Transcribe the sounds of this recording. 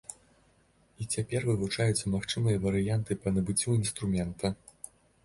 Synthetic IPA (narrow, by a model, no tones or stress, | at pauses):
it͡sʲapʲɛrvɨvut͡ʂajut̪sːɐmaxt͡ʂɨmɨjɐvɐɾɨjant̪ɨpɐnɐbɨt͡sʲːuinst̪ɾumʲɛnt̪ɐ